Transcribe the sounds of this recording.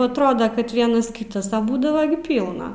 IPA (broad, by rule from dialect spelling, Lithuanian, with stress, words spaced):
ɐtˈroːdɐ kɐt ˈʋʲiɛnɐs ˈkʲiːtɐs ɐ ˈbuːdɐʋɐ ɡʲɪ ˈpʲiːlˠnɐ